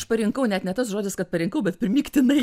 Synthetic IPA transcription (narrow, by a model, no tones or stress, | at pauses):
ʃpɐɾʲɪŋkɐʊnʲɛt̪nʲɛt̪ɐsʒoːd͡zʲɪskɐt̪pɐɾʲɪŋkɐʊbʲɛt̪pʲɪɾʲɪmʲiːkt̪ʲɪnɐɪ